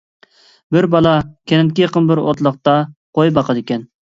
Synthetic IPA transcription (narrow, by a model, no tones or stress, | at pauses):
bɪɾbɑlˠɑkʲʰenɪn̚kʲijeqənbɪɾo̰t̪lˠəq̚t̪ɑqʰojbɑqʰəd̪ɪkʲɛn